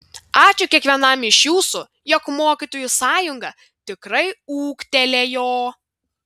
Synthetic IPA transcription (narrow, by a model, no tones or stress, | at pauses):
ɑːt͡ʃʲʊkʲiɛkʋʲiɛnɐmɪʃjuːsʊ | jɔkmoːkʲit̪oːjʊsɑːjʊŋɡɐ | t̪ʲɪkɾɐɪuːkt̪ʲɛlʲeːjoː